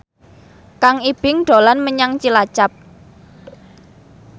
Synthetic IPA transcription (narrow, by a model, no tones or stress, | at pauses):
kaŋib̥ɪŋɖ̥olanməɲaŋt͡ʃilat͡ʃap̚